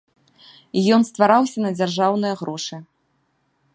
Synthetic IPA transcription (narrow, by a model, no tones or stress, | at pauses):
jɔnst̪vaɾawsʲɐnɐd͡zʲarʐawnɨjɐɣɾɔʂɨ